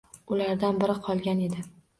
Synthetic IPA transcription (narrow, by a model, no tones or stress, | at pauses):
ʊlaɾd̪anbɪɾɪqʰɒlˠɡʲane̞d̪ɪ